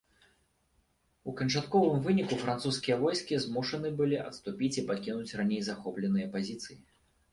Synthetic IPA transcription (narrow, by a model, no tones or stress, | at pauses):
ukɐnt͡ʂat̪kɔvɨmvɨnʲikufɾant̪suskʲijɐvɔjskʲizmuʂɐnɨbɨlʲiʔɐ̰t̪st̪upʲit͡sʲipakʲinut͡sʲranʲejzaxɔplʲɛnɨjɐpazʲit̪sɨji